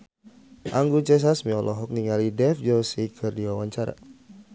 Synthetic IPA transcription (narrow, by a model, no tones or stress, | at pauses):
ʔaŋɡut͡ʃɛs̬asmiɔlʔɔɦɔk̚niŋalidɛfd͡ʒɔsikʰɨrdiwawaɲt͡ʃaɾa̰